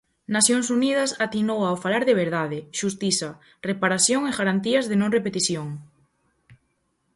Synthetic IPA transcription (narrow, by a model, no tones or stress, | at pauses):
naθjoŋsunið̞ɐsat̪inowaofalaɾðeβ̞eɾðaðɪʃust̪iθɐ | repaɾaθjoŋeɣaɾant̪iɐzðenõŋrepet̪iθjoŋ